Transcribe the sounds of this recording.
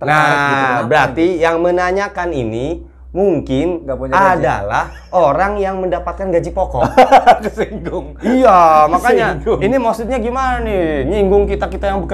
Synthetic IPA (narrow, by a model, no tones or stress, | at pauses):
t̪nabəɾart̪ijaŋmənaɲakanini | muŋkɪnɡapuɲada̰lah | oɾaŋjaŋməndapat̪̚kanɡad͡ʒipɔkɔ̰ksiŋɡʊŋijamakaɲainimasʊt̪̚ɲaɡimananiɲiŋɡʊŋkit̪akit̪ajaŋbuk